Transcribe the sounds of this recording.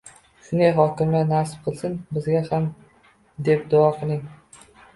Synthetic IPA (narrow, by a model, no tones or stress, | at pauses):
ʃʊnd̪ejɦɒkʲɪmlʲanasp̚qʰɨlˠsɪnbɪzɡʲaham | d̪e̞p̚d̪ʊɒqʰɨlˠɪŋ